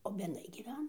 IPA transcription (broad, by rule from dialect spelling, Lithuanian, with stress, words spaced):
oː bʲɛdˈnɐɪ ɡʲiːˈʋʲæːnɐ